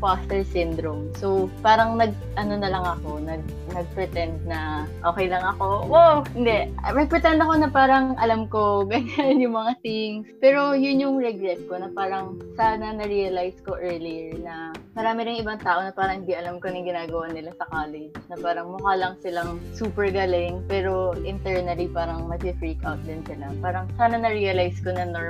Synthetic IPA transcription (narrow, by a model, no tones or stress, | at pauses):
fast̪ɛɹsɪnd̪ɾomsopaːɾɐŋnɐɡ̚ | ʔɐno̞nɐlɐŋɐko̞nɐɡ̚ | nɐɡ̚pɾɛt̪ɛnd̪̚nɐʔoːkɛjlɐŋɐko̞ʔohɪnd̪ɛmɐɡ̚pɾɛt̪ɛnd̪ɐkonɐpaːɾɐŋʔɐlamko̞ɡɐŋanjʊŋmɐŋasiŋspɛːɾo̞jʊnjʊŋɹɛɡɾɛt̪̚ko̞nɐpaːɾɐŋsaːnɐnɐɹiːɐlajsko̞ʔɛːɹlɪjɛɹnɐmɐɾaːmɪɾɪŋɪbaŋt̪aːʔo̞nɐpaːɾɐ̃ŋhɪnd̪iʔɐlamkonɪŋɡɪnaːɡɐwanɪlasɐkaːlɪd͡ʒnɐpaːɾɐŋmʊkaːlɐŋsɪlaŋsuːpɛɹɡalɪŋpɛːɾo̞ʔɪnt̪ɛɹnɐlipaːɾɐŋmɐsɪfɹiːkawt̪̚d̪ɪnsɪlapaːɾɐŋsaːnɐnɐɹiːɐlajsko̞nɐnoɹ